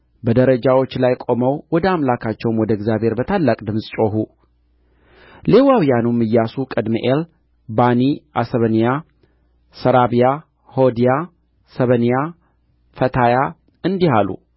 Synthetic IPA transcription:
bəd̪əɾəd͡ʒawo̞t͡ʃːlajkʼo̞məwwɔd̪əamlakʰat͡ʃːɛwnwɔd̪əɡzjabhe̞ɾbət̪ʰalːakʼd̪ɨmsʼt͡ʃʼo̞ɦu | le̞wawijanumːɨjːasukʼɨd̪miʔel | baniʔa̰səβənija | səɾaβija | hod̪ija | səβənija | fət̪ʰaja | ɨnd̪ihalṵ

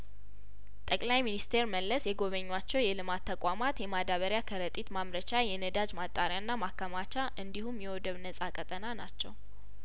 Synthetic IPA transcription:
t̪ʼəkʼlajminist̪ʰeɾməlːəsjɛɡo̞βəɲːwat͡ʃːɛwjɛlɨmat̪ʰːəkʼamat̪jɛmad̪aβəɾjakʰəɾət̪ʼit̪mamɾət͡ʃajɛnəd̪ad͡ʒmat̪ʼːaɾjanːamakːamat͡ʃaʔɨnd̪ihumjɛwɔd̪əβnəsʼakʼət̪ʼənana̰t͡ʃːɛw

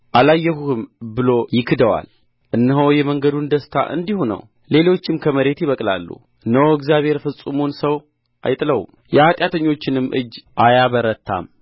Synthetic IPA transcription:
ʔalajːɛhuhɨmbɨlo̞jɪkʰɨd̪əwa̰l | ʔɨnːəɦəwjɛməŋɡəd̪und̪əst̪ʰa̰ʔɨ̰nd̪ihunə̰w | le̞lo̞t͡ʃːɪmkʰəməɾe̞t̪jɪβəkʼla̰lːṵ | ɨnːəwɨɡzijaβhe̞ɾfɨsʼumunsəw | ʔa̰jt̪ʼɨləwṵm | jɛhat̪ʼjat̪ʰəɲːo̞t͡ʃːɪnɨmːʔɨ̰d͡ʒʔajaβəɾət̪ʰːa̰m

